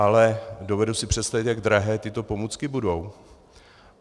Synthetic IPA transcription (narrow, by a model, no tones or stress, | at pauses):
alɛdo̞vɛdusɪpr̝̥ɛt̪st̪avɪt̪jaɡd̪ɾaɦɛːt̪ɪt̪o̞po̞muːt͡skɪbudo̞w